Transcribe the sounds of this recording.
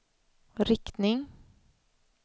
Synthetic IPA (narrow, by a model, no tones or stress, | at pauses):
ɾɪkt̪nɪŋ